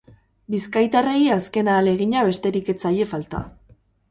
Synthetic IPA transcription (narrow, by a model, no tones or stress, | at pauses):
biskajt̪are̞iaske̞naːle̞ɣ̞iɲaβe̞st̪e̞ɾike̞t͡saje̞falt̪a̰